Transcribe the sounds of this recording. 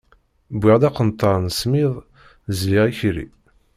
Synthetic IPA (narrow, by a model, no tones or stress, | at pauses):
bʷiʁd̪ɑqənt̪ˤʰːɑɾˤnsmiðˤ | zliʁiçɾḭ